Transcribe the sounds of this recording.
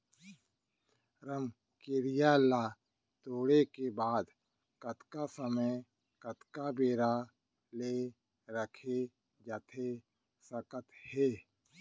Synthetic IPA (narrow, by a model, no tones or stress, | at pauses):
ɾəm | keɾijalaː | t̪oːɽekebaːd̪ | kət̪kasəməj | kət̪kabeːɾa | le | ɾəkʰe | d͡ʒat̪ʰe | səkət̪heː